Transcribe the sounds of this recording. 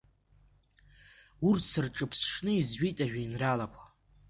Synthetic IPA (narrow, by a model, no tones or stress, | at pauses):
urtʰsɨrʈ͡ʂʼɨpʰsʂnɨizʒijtʼaʒᶣainralakʷʰʼa